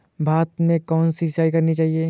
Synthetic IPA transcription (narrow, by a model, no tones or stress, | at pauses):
bʱaːt̪mẽkɔːnsisaːikɐɾnit͡ʃaːɦieː